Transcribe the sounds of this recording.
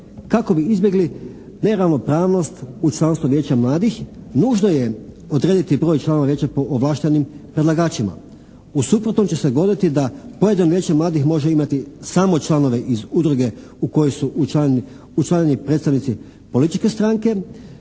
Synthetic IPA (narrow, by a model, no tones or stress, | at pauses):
kako̞biizbje̞ɡli | ne̞ɾaʋno̞pɾaːʋno̞st̪ut͡ʃlˠanst̪ʋoʋjeːt͡ɕamlˠaːd̪ixnuːʒnoje | od̪ɾeːd̪it̪ibɾo̞ːjt͡ʃlˠano̞ʋaʋjeːt͡ɕapoʔoʋlˠaːʃt̪enimpɾe̞d̪lˠaɡaːt͡ʃima̰ | usupɾot̪no̞mt͡ɕe̞seɡo̞d̪it̪id̪apo̞je̞d̪anoʋjeːt͡ɕemlˠaːd̪ixmo̞ʒeimat̪isaːmo̞t͡ʃlˠano̞ʋe̞ʔizud̪ɾuɡe̞ | uko̞josu | ut͡ʃlˠaɲenipɾet̪st̪aʋnit̪si | po̞lit̪it͡ʃke̞st̪ɾaːŋke̞